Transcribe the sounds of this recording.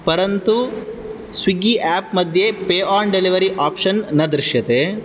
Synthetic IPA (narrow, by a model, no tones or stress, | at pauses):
pɐɾɐnt̪u | sʋiɡiʔaːp̚mɐd̪ʱjepeːaːnɖeliʋɐɾiʔaːpʂɐnːɐd̪ɾiʃjɐt̪e